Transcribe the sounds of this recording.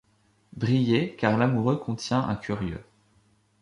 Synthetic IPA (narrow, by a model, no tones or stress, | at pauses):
bʁijekaʁlamuʁøkʰɔ̃t̪jɛ̃ʔɛ̰̃kʲʰyʁjø̰